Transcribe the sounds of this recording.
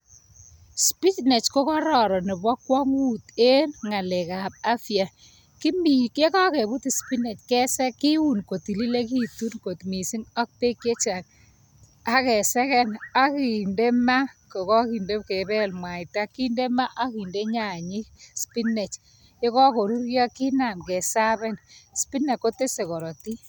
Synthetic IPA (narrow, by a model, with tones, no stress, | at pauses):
spi˦tnɛ˨t͡ʃko˦kɔ˦ɾɔ˨ɾɔ˨nɪ˨bɔ˦kwɔ˦ŋwu˦te˦ŋa˨le˨ka˨p̚a˦fja˨ | ki˦mi˨ke˦kɔ˦ke˨bʊ˦ti˨spi˦ne˨t͡ʃkɛ˦sɛ˦ki˦wu˦˨nko˨ti˨li˦le˦k̬i˦tu˦nko˨tmi˨si˦ŋɔ˦k̚pe˦kːe˦t͡ʃa˨n | a˦kɛ˨sɛ˦kɛ˦na˦ki˨nde˦ma˦ko˨kɔ˦ki˨nde˦ke˨bɛ˦lmwa˨jta˦ki˦nde˦ma˦ʔa˦ki˨nde˦ɲa˨ɲi˦spi˦nɛ˨t͡ʃ | je˦kɔ˦ko˨ɾu˦ɾjɔ˦ki˦na˨mkɛ˨sa˦bɛ˦nspi˦ne˨kːo˦te˦se˨kɔ˨ɾɔ˨ti˦